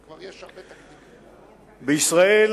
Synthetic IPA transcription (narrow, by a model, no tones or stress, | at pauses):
bəisʁaɛl